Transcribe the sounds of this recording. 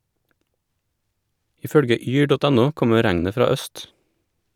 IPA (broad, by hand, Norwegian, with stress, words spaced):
ˈiː ˈfœɽɡə ˈyː ˈɖɔt ˈɛˌnʊ ˈkɔmə ˈɾæŋnə ˈfɾɑː ˈœst